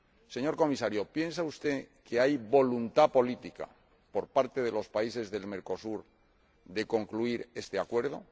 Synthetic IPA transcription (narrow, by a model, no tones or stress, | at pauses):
se̞ɲo̞ɾko̞misaɾjo̞pje̞ns̬aust̪e̞ke̞ajβo̞lunt̪apo̞lit̪ika̰ | po̞ɾpaɾt̪e̞ðe̞lo̞spaise̞zðe̞lme̞ɾko̞suɾ | ðe̞ko̞ŋkluiɾe̞st̪e̞akwe̞ɾð̞o̞̰